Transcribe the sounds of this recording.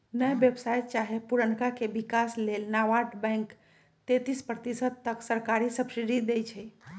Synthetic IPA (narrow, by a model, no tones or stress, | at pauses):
nəjbjebsajt͡ʃaɦepuɾənkakebikaslelnaʋaʈbɛ̃ŋk | t̪et̪ispɾət̪isəd̪̚t̪əksəɾkaɾisəbsid̪id̪ejt͡ʃʰɛ